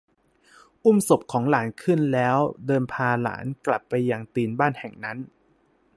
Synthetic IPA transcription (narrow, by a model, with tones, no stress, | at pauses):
ʔu˥˩mso˨˩p̚kʰɔː˩˦ŋlaː˩˦nkʰɯ˥˩nlɛː˦˥wdɤː˧npʰaː˧la̰ː˩˦nkla˨˩pːa˧jːa˧ŋt̪iː˧nbaː˥˩nhɛ˨˩ŋna˦˥n